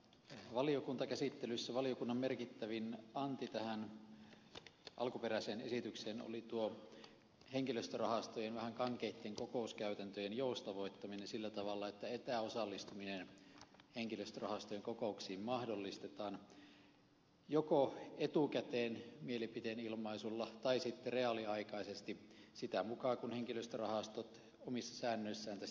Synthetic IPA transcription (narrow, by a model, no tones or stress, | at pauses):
ʋɑliokunt̪ɑkæsit̪ːelysːæʋɑliokunːɑmmerkit̪ːæʋinɑnt̪it̪æhæn | ʔɑ̰lkuperæseːnesit̪ykseːno̰lit̪uo | heŋkiløst̪ørɑhɑst̪ojenʋæhæŋkɑŋkeit̪ːeŋkokoˑuskæyt̪ænt̪øjenjoust̪ɑʋoit̪ːɑminensilːæt̪ɑʋɑlːɑet̪ːæet̪æːosɑlːist̪uminenheŋkiløst̪ørɑhɑst̪ojeŋkokouksiːmmɑhdolːist̪et̪ɑːn | jokoet̪ukæt̪eːnmielipit̪enilmɑisulːɑt̪ɑisit̪ːereɑliɑikɑisest̪isit̪æmukɑːkunheŋkiløst̪ørɑhɑst̪ot̪ | omisːɑsæːnːøisːæːnt̪æ